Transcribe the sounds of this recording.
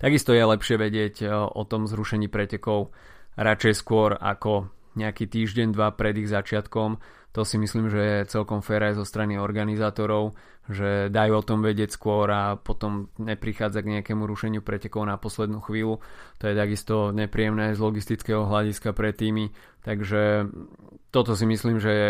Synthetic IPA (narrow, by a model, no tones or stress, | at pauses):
t̪aɡist̪ɔjɛlɛpʃɪɛʋɛɟɪɛcʔɔt̪ɔmzɾuʃɛɲiːpɾɛcɛkɔʊ | ɾat͡ʃɛjskʊɔɾa̰kɔ | ɲɛakiːt̪iːʒɟɛɲd̪ʋapɾɛd̪iɣzat͡ʃɪat̪kɔm | t̪ɔsimisliːmʒɛɛt͡sɛlkɔmfɛːɾajɛzɔst̪ɾaniɔɾɡanizaːt̪ɔɾɔʊ | ʒɛd̪ajuɔt̪ɔmʋɛɟɪɛcskʊɔɾapɔt̪ɔmɲɛpɾixaːd͡zaɡɲɛakɛmuɾuʃɛɲɪupɾɛcɛkɔʊnapɔslɛd̪nuːxʋiːlut̪ɔjɛt̪aɡist̪ɔɲɛpɾiːɛmnɛzlɔɡist̪it͡skɛɦɔɦlaɟiskapɾɛt̪ːiːmi | t̪aɡʒɛ | t̪ɔt̪ɔsimisliːmʒɛ